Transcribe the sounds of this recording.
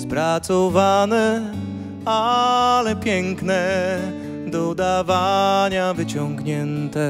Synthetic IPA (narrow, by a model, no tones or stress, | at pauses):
spɾat̪sɔvanɛ | alɛpʲjɛŋknɛ | d̪ɔd̪avaɲavɘt͡ɕɔŋɡɲɛnt̪ɛ